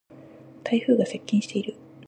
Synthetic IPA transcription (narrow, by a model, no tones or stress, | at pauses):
t̪ʰaiɸɯ̟ːɡase̞kʲːĩɕi̥t̪e̞iɾɯ̟